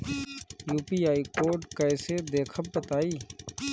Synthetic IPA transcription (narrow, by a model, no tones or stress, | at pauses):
juːpiːaːikoːɾɖkəsed̪eːkʰəb̚bət̪aːiː